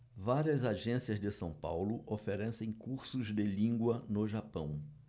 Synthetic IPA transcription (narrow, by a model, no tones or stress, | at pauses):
vaɾiɐzaʒẽsiɐzd̪ɪsɐ̃w̃pa̰wlʊʔofeɾɛsẽj̃kuɾsʊzd̪ɪlĩŋɡwɐnʊʒapɐ̃w̃